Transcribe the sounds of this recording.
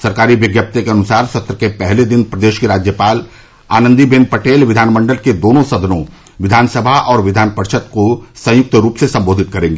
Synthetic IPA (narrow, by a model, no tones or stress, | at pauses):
sɐɾkaːɾiʋjəɡjəp̚t̪ekeɐnʊsaːɾsɐt̪ɾəkepɛɦled̪ɪnpɾɐd̪eːʃkeɾaːd͡ʒjəpaːl | a̰ːnə̃nd̪ibeːnpɐʈeːlʋɪd̪ʱaːnmə̃ɳɖəlked̪oːnõsɐd̪ʱənõ | ʋɪd̪ʱaːnsəbʱaʔɔːɾʋɪd̪ʱaːnpəɾʃət̪̚kosɐ̃jʊk̚t̪əɾuːpsesɐ̃mboːd̪ʱɪt̪̚kɐɾẽːŋɡeː